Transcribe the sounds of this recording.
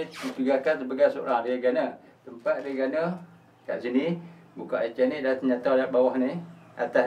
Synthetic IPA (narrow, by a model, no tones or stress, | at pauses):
tit̪uɡakansəbaɡajsoʔɾadiɡana | t̪əmpat̪̚diɡanə | kaʔsini | buka̰ʔat͡ʃanidat̪əɲat̪awlaʔbawahni | a̰t̪as